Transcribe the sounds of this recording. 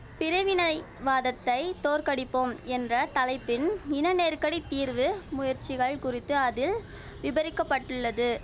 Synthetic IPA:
pɪɾɐʋɪnɐɪ | ʋaːðɐt̪ːɐɪt̪oːrkɐɽɪpːomɛndrɐt̪ɐlɐɪpːɪnɪnɐneːrkɐɽit̪ːiːɾʋɯmʊjɐɾt͡ʃːɪɣɐɭkʊrɪt̪ːɯɐðɪl | ʋɪbɐɾɪkːɐpːɐʈːɯɭːɐðɯ

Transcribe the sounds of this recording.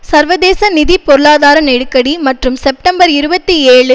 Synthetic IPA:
sɐɾʋɐðeːsɐnɪðipːɔɾɯɭaːðaːɾɐneɽɯkːɐɽimɐʈrɯmsɛp̚ʈɐmbɐɾɪɾɯbɐt̪ːieːɭɯ

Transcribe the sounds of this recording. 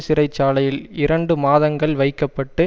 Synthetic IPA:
sɪɾɐɪt͡ʃːaːlɐjɪlɪɾɐɳɖɯmaːðɐŋɡɐɭʋɐɪkːɐpːɐʈːɯ

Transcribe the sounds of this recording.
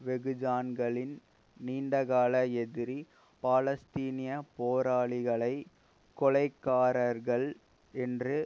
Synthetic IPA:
ʋɛɣɯd͡ʒaːnɡɐɭɪn | niːɳɖɐɣaːlɐɛðɪɾi | paːlɐst̪iːnɪjɐpoːɾaːɭɪɣɐɭɐɪ | kɔɭɐɪkːaːɾɐɾɣɐɭ | ɛndrɯ

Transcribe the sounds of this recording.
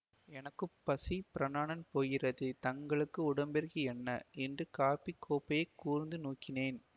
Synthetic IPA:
ɛnɐkːɯpːɐsipɪɾɐnaːɳɐnpoːjɪrɐðɯt̪ɐŋɡɐɭɯkːɯʊɽɐmbɛɾɣiɛnːɐʔɛndrɯkaːpikʰːoːpːɐjɐɪkːuːɾɪnd̪ɯnuːkːɪneːn

